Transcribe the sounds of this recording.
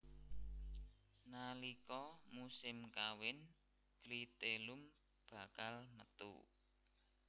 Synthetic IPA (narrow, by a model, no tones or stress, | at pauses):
nalikɔmusɪmkawɪn | ɡ̥ɾit̪elum | b̥a̤kalmət̪ṵ